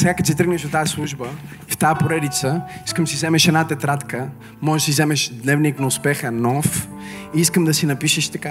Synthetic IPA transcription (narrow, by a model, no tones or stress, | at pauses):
sɛɡakɐt̪sit̪əɾɡnɛʃd̪ot̪aɐslˠuʒbə | ft̪aəpoɾɛd̪it̪səiskəmsizɛmɛʃɛd̪nat̪ɛt̪ɾat̪kə | mɔʒɛʃsizɛmɛʃd̪nɛvniknɐʊspɛxənɔfiiskəmd̪ɐsinɐpiʃɛʃt̪ɐka